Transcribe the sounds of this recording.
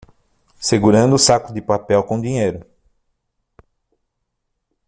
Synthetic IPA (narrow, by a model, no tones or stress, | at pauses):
seɡuɾɐ̃nd̪ʊːsakʊd̪ɪpapɛwkõd̪ĩɲejɾʊ